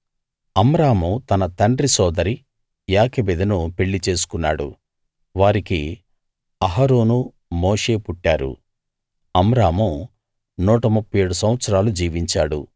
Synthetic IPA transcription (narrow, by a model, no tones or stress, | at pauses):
ɐmɾaːmut̪ɐnɐt̪ɐɳɖɾisɔːd̪ɐɾi | jaːkɐbed̪ɐnupe̞ɭːit͡ʃe̞ːsu̥kunːaːɽṵ | ʋaːɾiki | ɐɦaɾoːnu | moːʂe̞ːpuʈːaːɾṵ | ɐmɾaːmu | nuːʈɐmupːɐjeːɽusɐmʋɐt̪sɐɾaːlud͡ʒiːʋiɲt͡ʃaːɽṵ